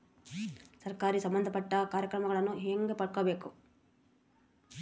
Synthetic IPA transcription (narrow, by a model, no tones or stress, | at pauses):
sɐɾkaːɾisɐmbɐnd̪ʱɐpɐʈːɐkaːɾjɐkɾɐmɐɡɐɭɐnːuɦeːŋɡepɐɽ̚kobeːku